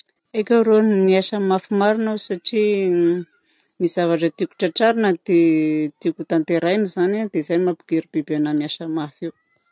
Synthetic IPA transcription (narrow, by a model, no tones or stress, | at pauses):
ekʲaɾonniaʃəmafimaɾinawsaʈ͡ʂi | miz̥avaʈ͡ʂət̪iku̥ʈ͡ʂaʈ͡ʂaɾinəd̪et̪ikut̪ant̪eɾajnizanad̪ezajmapiɡ̥eɾibibanamiaʃəmafiw